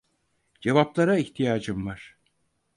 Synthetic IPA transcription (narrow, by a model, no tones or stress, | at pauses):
d͡ʒe̞vaplˠaɾaiçt̪ʰijaːd͡ʒɯmvaɾ̥